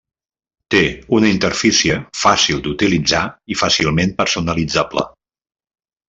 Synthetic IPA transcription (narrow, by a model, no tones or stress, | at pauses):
t̪eunəint̪əɾfisiəfasilˠd̪ut̪ilid͡zaifasilˠmenpəɾsunəlid͡zablə̰